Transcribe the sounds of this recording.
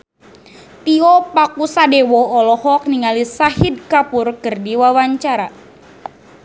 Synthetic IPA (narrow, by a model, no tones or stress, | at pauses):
t̪iɔpakusadɛwɔɔlɔhɔk̚niŋalisahidkapurkɨrdiwawaɲt͡ʃaɾa